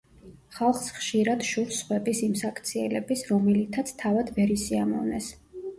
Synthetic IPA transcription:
χalˠχsχʃiɾad̪̥ʃuɾsχwɛbisimsakʰt̪sʰiɛlɛbisɾɔmɛlit̪ʰat̪sʰt̪ʰavad̪vɛɾisiamɔ̰vnɛs

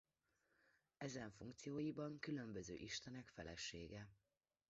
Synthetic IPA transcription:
ɛzɛɱfuŋkt̪sijoːjibɒŋkylø̞mbøzø̰ːʔiʃt̪ɛnɛkfɛlɛ̰ʃːeːɡɛ

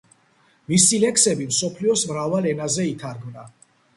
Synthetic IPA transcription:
misilɛkʰsɛbimsɔpʰliɔsmɾavalɛnazɛit̪ʰaɾɡmna

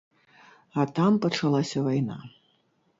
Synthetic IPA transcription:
ɐt̪ampɐt͡ʂalˠasʲɐvajna̰

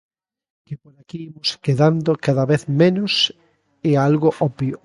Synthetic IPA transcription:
kepoɾakiimoskeðand̪okaðaβeθmẽnʊs | ealɣoʔɔpjo

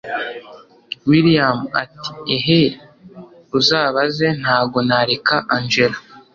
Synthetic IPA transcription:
wiɾijama̰ti̥eɦe | ɾuzaːβaze̞n̥haːbɡo̞naɾekaʔaɲd͡ʒela

